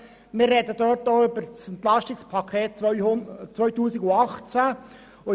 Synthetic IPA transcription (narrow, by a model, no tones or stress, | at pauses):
mɪːrrɛdədøːɾtoːʏbəɾt͡sɛnt̪lɑʃtɪkspʰɑkʰeːt̚t͡sʏt͡sʋœʏtuːsɪɡʊɑχt͡sæ | o